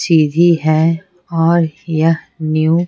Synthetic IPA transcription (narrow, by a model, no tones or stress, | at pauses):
siːd̪ʱiɦɛ | ɔːɾjə | nju